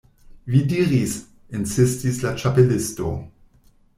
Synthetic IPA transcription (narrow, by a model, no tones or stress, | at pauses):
vidiːʁis | ɪnsɪstislat͡ʃapelɪsto̰